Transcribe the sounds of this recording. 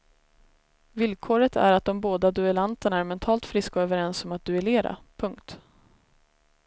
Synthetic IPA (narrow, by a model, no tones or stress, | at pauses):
vɪlkʰoːɾət̪ʰæ̰ɾat̪̚d̪ɔmboːd̪ad̪ɵɛlant̪əɳaæɾmɛnt̪ʰɑːlt̪fɾɪskaøːvəɾɛnsɔmat̪̚d̪ɵɛleːɾa̰pʰɵŋkt̪